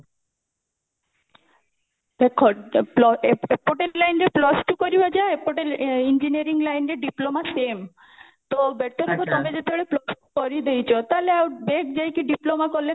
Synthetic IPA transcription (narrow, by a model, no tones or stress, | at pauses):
bekʰɔplɔepoʈellajnɾeplɔsʈukoɾibad͡ʑaepoʈelind͡ʑinieɾiŋlajnɾeɖiplomasem | t̪obɛɾt̪oɾɔkʰot̪omed͡ʑet̪eoɽeplɔsʈu̥koɾid̪ejt͡ɕʰot̪aleawbek̚d͡ʑajkeɖiplomakolːe